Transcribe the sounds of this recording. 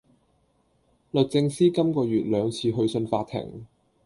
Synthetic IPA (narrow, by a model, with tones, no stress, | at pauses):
lɵ˨t̚t͡sɪ˧ŋsiː˥kɐ˥mkɔː˧jyː˨t̚lœː˨˧ŋt͡sʰiː˧ɦɵ˧ɥsɵ˧nfaː˧t̚t̪ʰɪ̰˨˩ŋ